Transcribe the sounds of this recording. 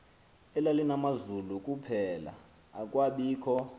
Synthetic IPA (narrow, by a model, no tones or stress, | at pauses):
ɛlalinamazulukʼupʰɛla̰ | akʼwaɓiːkʰɔ